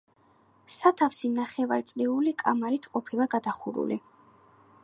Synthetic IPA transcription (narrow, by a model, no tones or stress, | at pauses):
sat̪ʰafsinaχɛvaɾt̪sʼliulikʼa̰maɾit̪ʰqʼɔpʰilˠaɡad̪aχuɾṵlḭ